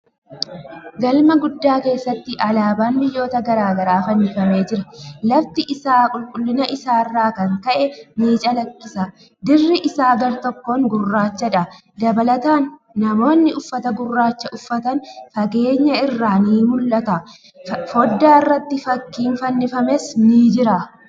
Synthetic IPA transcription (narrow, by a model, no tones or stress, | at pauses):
ɡɐlmɐɡʊd̪ːaːke̞ːsːɐt̪ːɪʔɐlaːbaːnbɪjːo̞ːt̪ɐɡɐɾaːɡɐɾaːfɐnːɪfɐme̞ːd͡ʒɪɾɐlɐft̪ɪʔɪsaːkʼʊlkʼʊlːɪnɐʔɪsaːɪrːaːkɐŋkɐʔɛmiːt͡ʃʼɐlɐkʼːɪsɐ | d̪ɪrːɪʔɪsaːɡɐɾt̪ɔkːoːŋɡʊrːaːt͡ʃːɐᶑɐ | d̪ɐbɐlɐt̪aːnː | ɐmo̞ːnːɪʔʊfːɐt̪ɐɡʊrːaːt͡ʃːɐʔʊfːɐt̪ɐnfɐɡe̞ːɲːɐɪrːaːniːmʊlːɐt̪ɐ | fɔd̪ːaːɪrːɐt̪ːɪfɐkːiːnfɐnːɪfɐmɛsniːd͡ʒɪɾɐ